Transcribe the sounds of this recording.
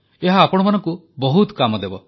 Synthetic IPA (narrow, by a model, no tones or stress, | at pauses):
eɦaːpɔɽɔmanɔŋku | bɔɦut̪kamɔd̪ebɔ